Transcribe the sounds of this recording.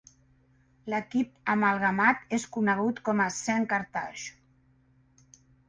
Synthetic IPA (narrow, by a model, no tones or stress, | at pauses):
ləkip̚əmalˠɣamat̪eskunəɣ̞ut̪kɔməsɛŋkaɾt̪aʃu